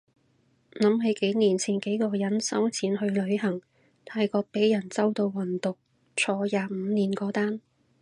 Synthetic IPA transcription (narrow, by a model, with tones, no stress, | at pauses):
nɐ˨˥mɦe˨˥jke˨˥jniː˨˩nt͡sʰiː˨˩nke˨˥jkɔː˧jɐ˨˥nsɐ˥wt͡sʰiː˨˥nhɵ˧ɥlɵ˨˧ɥhɐ˨˩ŋ | t̪ʰaː˧jkɔː˧k̚pe˨˥jjɐ˨˩nt͡sɐ˥wt̪o˧wːɐ˨˩nt̪ʊ˨k̚ | t͡sʰɔː˧jaː˨˧m̩ː˨˧niː˨˩nkɔː˧t̪aː˥n